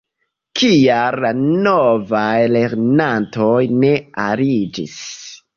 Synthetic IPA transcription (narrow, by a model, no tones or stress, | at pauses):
kialːanovajle̞ɾnanto̞jne̞aɾid͡ʒḭs